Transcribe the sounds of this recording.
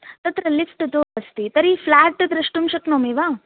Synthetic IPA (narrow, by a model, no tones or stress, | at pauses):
t̪ɐt̪ɾəlifʈd̪oːɾɐst̪it̪ɐɾiflaːʈːd̪ɾɐʃʈumʃɐknomiʋaː